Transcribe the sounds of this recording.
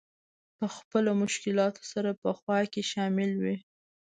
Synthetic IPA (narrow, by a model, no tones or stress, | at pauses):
pəxpəlomʊʃkɪlɑt̪ʰo̥saɾapəxwɑkeʃɑmɪlwi